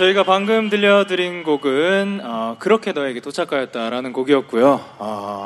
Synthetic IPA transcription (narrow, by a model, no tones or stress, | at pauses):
t͡ɕʌiɡapaŋɡɯmdɯʎːʌdɯɾinɡoɡɯnʌkɯɾʌkʰe̞nʌe̞ɡe̞t͈ot͡ɕʰak͈ajʌt̚t͈aɾanɯnɡoɡiʌp̚k͈ujoʌ